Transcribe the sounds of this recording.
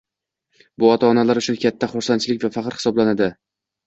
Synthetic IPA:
bʊɒt̪ʰaːnalaɾʊt͡ʃʰʊnkʲʰat̪ʰːaχʊɾsant͡ʃʰɪlɪk̚ʲvafɑqɾhɪ̥sɒblanad̪ɪ

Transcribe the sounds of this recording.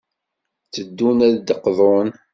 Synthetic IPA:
t͡səd̪ːunæðd̪əqðˤon

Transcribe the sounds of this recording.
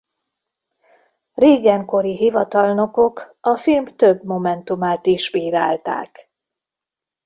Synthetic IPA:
reːɡɛŋko̞ɾiɦivɒt̪ɒlno̞ko̞k | ɒfilmt̪øbmo̞mɛnt̪umaːt̪iʃbiːɾaːlt̪a̰ːk

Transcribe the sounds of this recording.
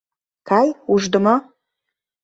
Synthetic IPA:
kɑjuʒd̪ə̆mo

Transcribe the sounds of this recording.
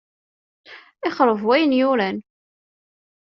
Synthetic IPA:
ɪχɾəvwæjənjʊɾæn

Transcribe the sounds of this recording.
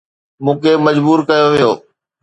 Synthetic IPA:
mũːkʰemɐd͡ʑbuːɾkɐjoʋijo̰ː

